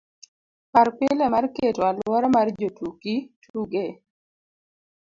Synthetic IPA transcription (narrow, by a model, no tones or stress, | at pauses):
parpɪlɛmarketwalwɔɾɔmard͡ʒotukitʰuɡe